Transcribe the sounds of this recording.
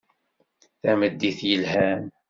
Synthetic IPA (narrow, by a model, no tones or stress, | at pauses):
θæməd̪ːiθjəlhæn